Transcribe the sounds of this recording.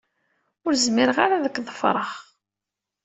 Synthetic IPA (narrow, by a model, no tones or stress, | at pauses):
ʊɾzmɪɾəʁaɾaðəkːðˤəfɾˤəχ